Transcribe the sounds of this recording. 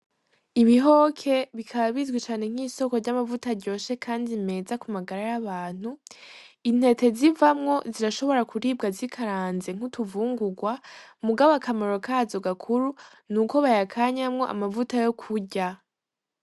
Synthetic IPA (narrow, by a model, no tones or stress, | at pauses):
iβiɦo̞kʰe̞βikʰaβaβizɡwit͡ʃaːne̞ŋ̥iːso̞ko̞ɾɟamavutaɾɟo̞ːʃe̞kʰaːndime̞ːzakumaɡaɾajaβaːn̥hu | in̥e̞te̞zivamŋo̞ziɾaʃoβo̞ɾakuɾiːb̚ɡazikʰaɾaːnze̞ŋ̥utuvuːŋɡuɡwamuɡaβakamaɾo̞kazo̞ɡakʰuɾu | nuko̞βajakʰaɲamŋo̞ʔa̰mavutajo̞kʰuɟa